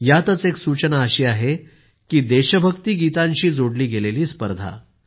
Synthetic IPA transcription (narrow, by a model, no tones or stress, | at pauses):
jat̪ət͡seksut͡ɕənaəɕiːaɦe | kiːd̪eɕəbʱəkt̪iːɡit̪ãɲt͡ɕiːd͡zoɽliːɡeleliːspə̰ɾd̪ʱa̰